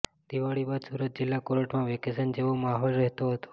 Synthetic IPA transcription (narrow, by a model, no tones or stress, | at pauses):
d̪iʋaɽibad̪suɾət̪̚d͡ʒɪlːakoɾəʈmãʋɛkesənd͡ʒeʋomaɦolɾəɦt̪oɦət̪o̥